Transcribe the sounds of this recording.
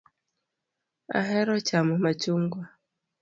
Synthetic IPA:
a̰ɦɛɾɔt͡ʃamɔmat͡ʃuŋɡwa

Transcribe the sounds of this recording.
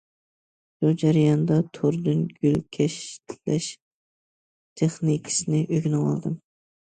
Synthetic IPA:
ʃud͡ʒæɾɨjɑnd̪ɑt̪ʰoɾd̪ɨnɡʲylkʲʰɛʃt̪lɛʃ | t̪ʰeχnikʲʰɪ̥sɪnɪʔøɡʲnɨwɑ̰lˠd̪ɨm

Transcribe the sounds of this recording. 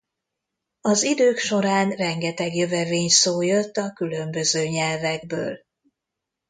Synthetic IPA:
ɒzid̪øːkʃo̞ɾaːnrɛŋɡɛt̪ɛɡjøvɛveːɲsoːjøt̪ːɒkylø̞mbøzøːɲɛlvɛɡbø̰ːl

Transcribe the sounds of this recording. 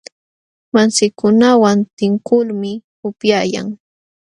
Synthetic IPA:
mansɪkʊnawant̪ɪŋkʊlmɪ | ʊpjaːja̰ŋ

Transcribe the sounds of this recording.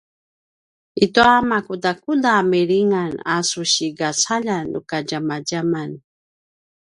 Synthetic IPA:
it̪oamakud̪akud̪ameɾiŋanasuʃiɡat͡sʰaʎanṵkad͡ʒamad͡ʒaman

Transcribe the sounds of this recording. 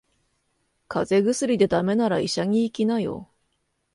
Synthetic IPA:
kʰaze̞ɡɯ̟sɨɾʲid̪e̞d̪ame̞naɾaiɕaŋ̟ʲiːkʲinajo̰

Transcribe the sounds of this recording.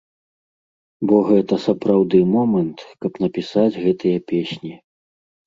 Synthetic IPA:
bɔɣɛt̪ɐsɐpɾawd̪ɨmɔmɐnt̪kɐpn̪ɐpʲisad͡zʲɣɛt̪ɨjɐpʲesʲnʲi

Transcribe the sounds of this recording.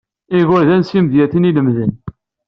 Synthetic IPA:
iɣʊɾðænsimðjæθiniləmðən

